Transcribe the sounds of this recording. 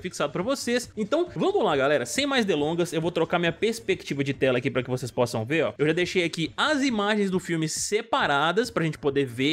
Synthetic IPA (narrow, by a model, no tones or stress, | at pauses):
fiksad̪ʊpɾɐvosesẽnt̪ɐ̃w̃vɐ̃mʊlaɡalɛɾɐsẽj̃majzd̪elõŋɡɐsewvowt̪ɾokaɾɐmĩɲɐpeɾspek̚t͡ʃivɐd͡ʒɪt̪ɛlɐkipɾɐkɪvosespɔsɐ̃w̃veɾɔ̰ewʒad̪ejʃejakiɐzimaʒẽj̃zd̪ʊfiwmɪsepaɾad̪ɐspɾɐʒẽnt͡ʃɪ̥pod̪eve